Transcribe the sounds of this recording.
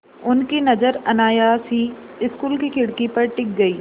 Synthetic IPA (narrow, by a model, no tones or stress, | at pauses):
ʊnkinɐd͡ʒəɾɐnaːjaːsɦi | ɪskuːlkikɪɽkipɐɾʈɪk̚ɡɐiː